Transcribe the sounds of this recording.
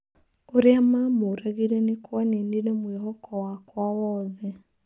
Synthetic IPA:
uɾiamamuɾaɣilɛnikuaninilɛmwiɦɔkɔwakwawɔðɛ

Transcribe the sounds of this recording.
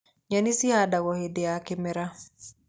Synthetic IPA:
ɲanisihadawɔhedeakɪmɛɾa

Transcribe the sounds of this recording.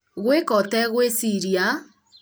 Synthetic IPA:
ɣʷekɔtɛɣwesiɾia

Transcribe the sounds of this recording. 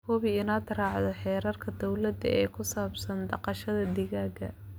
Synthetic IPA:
kʰɔβiɪnaːd̪rɑːʕðɔħɛːɾɐrkʰɐd̪ɔwlɐd̪ɐ̰ɛːkʰʊsaːbsɐnd̪ɑqɑʃɐðɐd̪ɪɣaːɡɐ̰

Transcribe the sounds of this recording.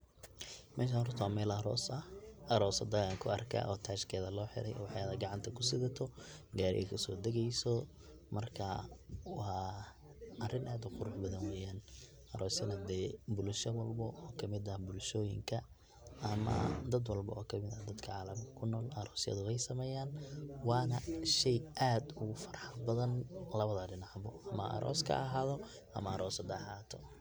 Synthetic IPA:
mɛ̰ːʃ̬anrʊt̪ʰwamɛːlɐɾɔːsɐʔɐɾɔːsɐd̪ɐɣaːŋkʰʊɐ̰rkʰɐ̰ʔɔːt̪ʰaːʃkʰɛːðɐlɔːħɪ̰ɾɛ̰jwɑħɑjɐðɐɡɑʕɑnt̪ʰɐkʰʊsɪðɐt̪ʰɔɡaːɾɪ̰jɐ̰kʰɐsɔːd̪ɛɣɛjsɔ | mɐrkʰɐwɑː | ɐrɪnaːd̪ʊqʊɾʊħbɐðɐnwɛːjaːn | ʔɐɾɔːsɪnɐd̪ɛːbʊlʃɐwɐlbɔʔɔːkʰɐmɪd̪ɐbʊlʃɔːjɪ̰ŋkʰɐ | ʔɐmɐ̰d̪ɐd̪wɑlbɐ̰ɔːkʰɐmɪðɐd̪ɐd̪kʰɐʕaːlɐmkʰɐ̥kʰʊnɔːlɐɾɔːsɪjɐ̰ðʊwɛjsɐmɛːjaːnwɑːnɐʃɛjʔaːd̪ʊɣʊfɐ̥rħɑbɐðɐnlɐβɐðɐɖɪnɑʕbɔʔɐmɐʔɐ̰ɾʔɔ̰ːskʰɐ̰ɐɦaːðɔ | ʔɐ̰mɐːɾʔɔːsɐd̪ɛħaːt̪ʰɔ

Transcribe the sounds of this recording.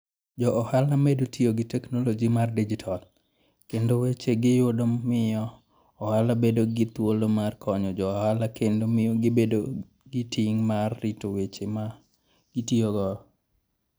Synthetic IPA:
d͡ʒɔʔɔhalamedotioɡɪtɛknolod͡ʒimardid͡ʒitʰal | kendowet͡ʃeɡɪjʊdomɪjɔ | ɔhalabedoɡɪt̪wolomarkʰɔɲɔd͡ʒɔhalakendomɪoɡɪbedo | ɡɪtiŋmarːitowet͡ʃema | ɡ̥itioɡɔ

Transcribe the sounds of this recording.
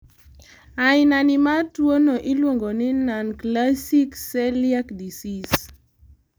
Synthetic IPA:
aɪnanɪmatwonoʔilwoŋɡonɪnanklasiksɛliakdisis

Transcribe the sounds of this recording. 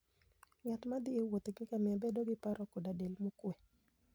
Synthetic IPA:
ŋat̪mad̪ɪewot̪ɡɪkamɪabedoɡɪpaɾʔɔkodadelmokwe

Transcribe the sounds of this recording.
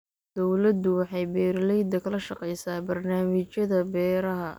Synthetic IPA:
d̪̥ɔwlɐd̪ʊwɑħɑjbɛːɾlɛjd̪ɐkʰɐlɐʃɑqɛjsaːbɐrnaːmɪt͡ʃjɐðɐbɛːɾɐɦɐ

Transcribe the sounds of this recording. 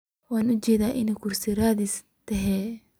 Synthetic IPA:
waːnʊt͡ʃɛːðaːʔɪnɛjkʰʊrsɪɾaːðis | t̪ʰɛɦɛː

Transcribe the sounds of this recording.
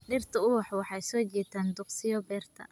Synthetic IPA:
ɖɪrt̪ʰɐʊwɑħwɑħɑjsɔːt͡ʃɛːt̪ʰaːnd̪ʊqsɪjɔbɛːrt̪ʰɐ̰

